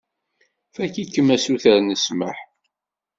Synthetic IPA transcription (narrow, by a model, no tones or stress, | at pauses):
fækikːəmːæsuθəɾnəsməħ